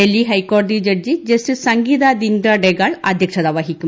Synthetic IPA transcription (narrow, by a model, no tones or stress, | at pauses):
elːiɦɐjkːoːrd̪id͡ʑɐɖd͡ʑid͡ʑɐstissɐŋɡiːðad̪indɐɖeɣaːɭɐ̰d̪ʱjɐkʂɐðaːʋɐɦikʲːu